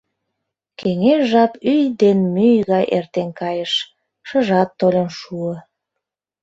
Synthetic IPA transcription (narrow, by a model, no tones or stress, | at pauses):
kʰeŋeʃʒɑpyjd̪enmyjɣɑjʔḛrt̪enkɑjəʃ | ʃəʒɑt̪ːolʲenʃuə